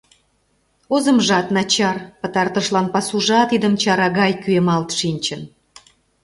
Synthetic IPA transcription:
ozə̆mʒɑt̪nɑt͡ɕɑrpə̆t̪ɑrt̪əʃlɑnpɑsuʒɑt̪id̪əmt͡ɕɑɾɑɣɑjkyemɑlt̪ʃinʲt͡ɕən

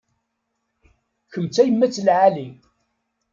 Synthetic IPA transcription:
kəmt͡sːæjəmːæt͡sːlʕali

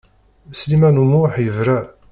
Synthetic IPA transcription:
slimænumuħjəvɾæ

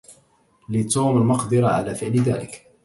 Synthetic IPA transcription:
lɪt̪uːmalmɑqd̪ɨɾˤɑʕa̰laːfɪʕlɪðaːlɪk

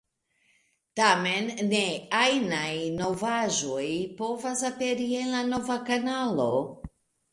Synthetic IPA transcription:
tamenːeajnajno̞vaʒojpovasapeɾie̞nlano̞vakanalo̞

